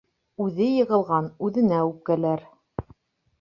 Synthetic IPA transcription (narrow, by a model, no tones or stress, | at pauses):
ʉðɘjɤ̆ʁɤ̆lˠʁɑnʉðɘ̆næʉp̚kælæɾ